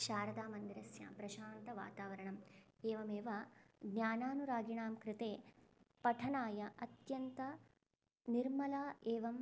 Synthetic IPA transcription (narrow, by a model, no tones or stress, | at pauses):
ʃaːɾɐd̪aːmɐnd̪iɾɐsja̰ːpɾɐʃaːnt̪ɐʋa̰ːt̪aːʋɐɾɐɳɐm | eːʋɐmeːʋɐɡnjaːnaːnuɾaːɡiɳaːmkɾɪt̪eːpɐʈʰɐnaːjɐʔɐt̪jɐnt̪ɐ | niɾmɐlaːʔeːʋɐm